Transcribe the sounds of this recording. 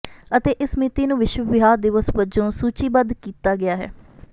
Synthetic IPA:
ət̪eːʔɪsmɪt̪iːnũːʋɪʃwəbɪɦaːɾd̪ɪʋəsbəd͡ʒõːsuːt͡ʃiːbənd̪kiːt̪aːɡɪaːɦɛ̰ː

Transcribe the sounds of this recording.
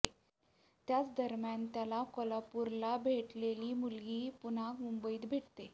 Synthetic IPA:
t̪jat͡sd̪əɾmjant̪jalakɔlapuɾlabʱeʈleliːmulɡiːpunakmumbəiːt̪bʱeʈt̪e

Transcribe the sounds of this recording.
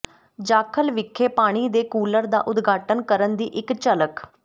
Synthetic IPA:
d͡ʒaːkʰəlʋɪkʰːeːpaːɽ̃iːd̪eːkuːləɾd̪a̰ːʔʊd̪ɡʱaːʈənkəɾənd̪iːʔɪkt͡ʃələk

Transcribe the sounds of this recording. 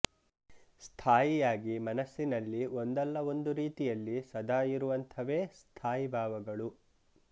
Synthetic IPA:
st̪ʰaːjijaːɡimɐnɐsːinɐlːio̞nd̪ɛlːɐo̞nd̪uɾiːt̪ijɐlːisɐd̪aːjiɾuʋɐnt̪ʰɐʋe̞ːst̪ʰaːjibʱaːʋɐɡɐɭu

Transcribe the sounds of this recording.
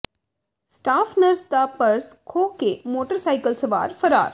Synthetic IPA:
sʈaːfʰnɐɾst̪aːpɐɾskʰoːkemoːʈəɾsaːɪkəlsɐʋa̰ːɾfɐɾa̰ːɾ

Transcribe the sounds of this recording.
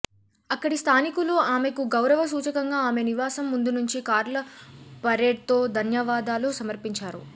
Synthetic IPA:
ɐkːɐɽist̪ʰaːnikuluaːme̞kuɡɐwɾɐʋɐsuːt͡ʃɐkɐŋɡaːme̞niʋaːsɐmːund̪unuɲt͡ʃikaːɾlɐpɐɾeːɖ̚t̪o̞ːd̪ʱɐnjɐʋaːd̪aːlusɐmɐɾpiɲt͡ʃaːɾṵ

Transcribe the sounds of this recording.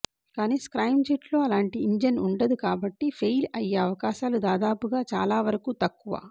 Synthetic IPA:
kaːniːskɾɐjmd͡ʒiʈlo̞ːɐlaːɳʈiːɲd͡ʒɐnuɳɖɐd̪ukaːbɐʈːipʰejlɐjːeɐʋɐkaːʃaːlud̪aːd̪aːpuɡaːt͡ʃa̰ːlaːʋɐɾɐkut̪ɐkːuʋa̰ː

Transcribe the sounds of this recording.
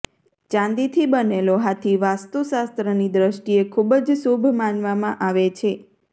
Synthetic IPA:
t͡ʃãnd̪it̪ʰibəneloɦat̪ʰiʋast̪usast̪ɾənid̪ɾəʃʈiekʰubd͡ʒsubʱmanʋamãʔaʋet͡ʃʰe

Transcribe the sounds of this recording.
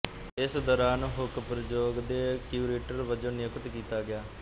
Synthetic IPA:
ɪsd̪ɔːɾaːnɦʊkpɾəd͡ʒoːɡd̪eːkjuːɾeːʈəɾʋəd͡ʒõːnɪjʊkət̪kiːt̪aːɡɪjaː

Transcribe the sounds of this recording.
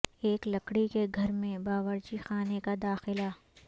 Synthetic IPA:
eːklɐkɽikeɡʱɐɾmẽbaːʋəɾd͡ʒixaːnekad̪aːxɪla

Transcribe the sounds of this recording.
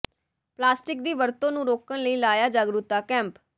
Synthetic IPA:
plaːsʈɪk̚d̪iːʋəɾt̪õːnũːɾoːkənləiːlaːjaːd͡ʒaːɡɾut̪ːaːkɛ̃ːmp

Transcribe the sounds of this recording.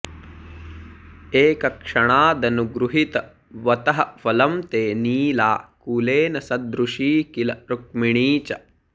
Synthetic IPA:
eːkɐkʂɐɳaːd̪ɐnuɡɾuɦit̪ɐ | ʋɐt̪ɐɦɐʋɐlɐmt̪eːniːlaːkuleːnɐsɐd̪ɾuʂiːkilɐɾuk̚miɳiːt͡ʃɐ

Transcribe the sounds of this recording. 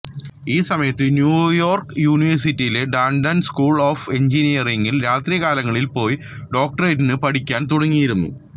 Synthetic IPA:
iːsɐmɐjɐt̪ːɨnjuːjo̞ːrkɨjuːniʋɐrsitːijile̞ɖaːɳɖɐnskuːɭo̞ːfe̞ɲd͡ʑinijɐreŋɡilɾaːt̪ɾijɐkaːlɐŋːɐɭilpo̞ːj | ɖo̞ːk̚ʈɐretinɨpɐɽikʲːaːnt̪uɽɐŋːijiɾunːṵ

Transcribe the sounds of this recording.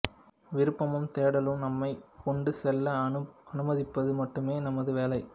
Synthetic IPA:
ʋɪɾɯpːɐmɯmt̪eːɽɐlɯmnɐmːɐɪkːɔɳɖɯsɛlːɐɐnɯmɐðɪpːɐðɯmɐʈːɯmeːnɐmɐðɯʋeːlɐɪ

